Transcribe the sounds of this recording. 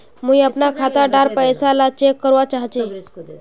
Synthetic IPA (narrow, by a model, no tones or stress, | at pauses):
mujəpnakʰat̪aɖaɾpəjsalat͡ʃekːəɾʋat͡ʃaɦt͡ʃe